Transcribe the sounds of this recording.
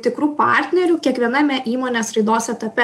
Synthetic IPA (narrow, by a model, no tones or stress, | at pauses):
t̪ʲɪkɾuːpɑˑɾʲt̪ʲnʲɛɾʲuːkʲiɛkʋʲiɛnɐmʲɛʔiːmoːnʲeːsɾɐɪd̪oːsɛt̪ɐpʲɛ